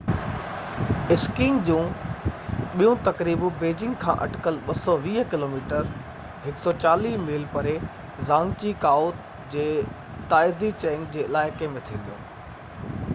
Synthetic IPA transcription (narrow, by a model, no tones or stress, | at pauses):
ɪskɪ̃ŋɡd͡ʑũː | ɓijũt̪ɐkɾiːbbeːd͡ʑɪ̃ŋɡkʰã̰ːʔɐ̰ʈkəlɓɐsɔʋiːɦkɪloːmiːʈəɾ | ɦɪksɔt͡ɕaːliːmeːlpɐɾe | zãːŋɡt͡ɕikaːoːt̪ | d͡ʑeː | t̪aːɪzit͡ɕɛːŋɡd͡ʑeːɪlaːɪkemẽt̪ʰĩːnd̪ijo̰ː